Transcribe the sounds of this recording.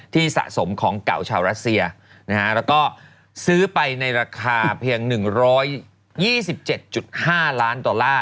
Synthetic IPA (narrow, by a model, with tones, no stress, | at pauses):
t̪ʰiː˥˩sa̰˨ʔso˩˦mkʰɔː˩˦ŋka̰˨˩wt͡ɕʰaː˧wɾa˦˥t̪̚si˧ɐ | na˦˥kʰa˦˥ʔlɛː˦˥wkɔː˥˩ | sɯː˦˥pa˧jna˧jɾaː˧kʰaː˧pʰi˧əŋnɯ˨˩ŋɾɔː˦˥jː | iː˥˩si˨˩p̚t͡ɕe˨˩t̪̚t͡ɕu˨˩t̪̚haː˥˩laː˦˥ndɔ˧nlaː˥˩